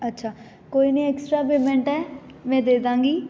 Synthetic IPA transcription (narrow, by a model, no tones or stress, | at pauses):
ətːʃʰaː | koːiːniːɛːksʈɾaːpemɛ̃ːɳʈɛː | mɛ̃ːd̪eːd̪ãːŋɡiː